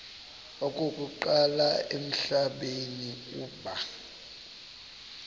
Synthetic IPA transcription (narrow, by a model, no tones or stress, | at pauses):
okʼokʼuǃalaem̩ɬaɓeniuːɓa